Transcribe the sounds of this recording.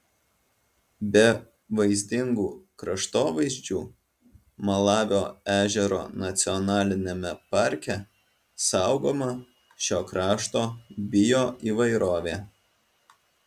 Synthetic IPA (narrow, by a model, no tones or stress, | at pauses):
bʲɛ | ʋɐɪzʲd̪ʲɪŋɡuːkɾɐʃt̪oːʋɐɪzʲd͡ʒʲuː | mɐlˠɑːʋʲoːæːʒʲɛɾo̰ːnɐt̪sʲɪɔnɑːlʲɪnʲɛmʲɛpɑˑɾʲkʲɛ | sɑʊɡoːmɐ | ʃʲoːkɾɑːʃt̪oːbʲɪjoːiːʋɐɪɾoːʋʲeː